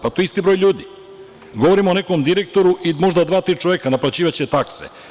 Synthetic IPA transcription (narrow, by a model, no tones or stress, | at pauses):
pat̪oist̪ibɾo̞jʎʲuːd̪i | ɡo̞ʋoɾimoːne̞komd̪iɾek̚t̪o̞ɾuʔimo̞ʒd̪ad̪ʋaːt̪ɾiːt͡ʃoʋekanaplat͡ɕiːʋat͡ɕet̪aksḛ